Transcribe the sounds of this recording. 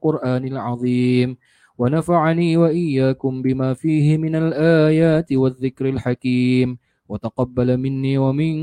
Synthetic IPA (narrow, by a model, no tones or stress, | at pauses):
qʊɾʔaːnɪlʕɑðˤiːm | wanafaʕniːwaʔɪjːaːkʊmbɪmaːfiːhɪmɪnalʔaːjaːt̪ɪwaðːɪkɾɪlħakiːm | wat̪aqɑbːalamɪnːiːwamɪn